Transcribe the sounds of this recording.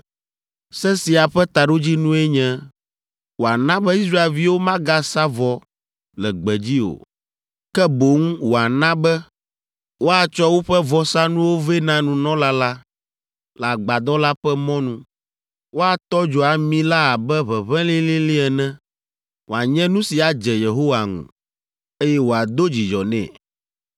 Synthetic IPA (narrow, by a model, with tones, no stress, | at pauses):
sɛ˦si˨a˨ɸɛ˦t̪a˨ɖo˦d͡ʑi˦nũ˦ɛ˦ɲɛ̃˦ | wo˨a˨nã˦bɛ˦i˦sɾa˦e˨lvi˦wo˦mã˦ɡa˦sa˦vɔ˨ | lɛ˨ɡ͡bɛ˨d͡ʑi˦o̰˨ | kɛ˦bo˨˦ŋ˦wo˨a˨nã˦bɛ˦ | wo˦a˨t͡ʃɔ˦wo˦ɸɛ˦vɔ˨sa˦nũ˦wo˦ve˦nã˨nũ˨nɔ̃˦la˦la˦ | la˨ɡ͡ba˨d̪ɔ˦la˦ɸɛ˦mɔ̃˦nũ˦ | wo˦a˨t̪ɔ˦d͡ʒɔ˨a˨mĩ˦la˦a˨bɛ˦βɛ˨βɛ̃˦li˦li˦li˦ɛ˨nɛ̃˦ | wo˨a˨ɲɛ̃˦nũ˦si˨a˨d͡ʒɛ˨je˨ɦo˦wa˨ŋṵ̃˨ | e˦jɛ˦wo˨a˨d̪o˦d͡ʑi˨d͡ʒɔ˨nɛ̰̃˨